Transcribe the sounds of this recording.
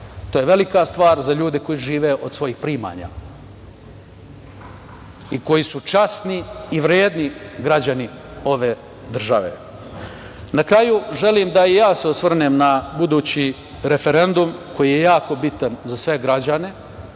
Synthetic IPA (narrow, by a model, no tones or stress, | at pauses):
t̪oːjeʋe̞likast̪ʋaːɾzaʎuːd̪eko̞jiʒiːʋe̞ʔod̪sʋo̞jiːxpɾiːma̰ːɲa̰ | iko̞jisut͡ʃasniːʋɾjeːd̪niɡɾad͡ʑani | o̞ʋe̞ː | d̪r̩ʒaʋḛ | nakɾajuʒe̞liːmd̪aijaːseosʋr̩neːmnabud̪uːt͡ɕi | ɾefe̞ɾe̞nd̪umko̞jije̞jaːko̞bit̪anzasʋe̞ɡɾad͡ʑane̞